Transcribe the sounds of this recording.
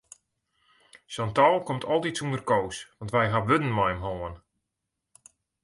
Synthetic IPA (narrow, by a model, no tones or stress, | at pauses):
sɔntɔlˠkomtʰɔlˠtitsundərkoːsʋɑntʋɛjɦaʋødn̩majmɦoːən